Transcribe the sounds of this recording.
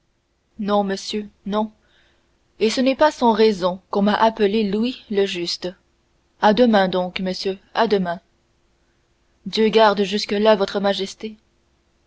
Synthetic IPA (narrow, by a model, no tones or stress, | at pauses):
nɔ̃məsjønɔ̃ | esənɛpasɔ̃ʁɛzɔ̃kɔ̃maʔapəlelwiləʒyst̪ə | ad̪əmɛ̃d̪ɔ̃kməsjøad̪əmɛ̃ | d̪jøɡaʁd̪ʒyskəlavɔt̪χəmaʒɛst̪e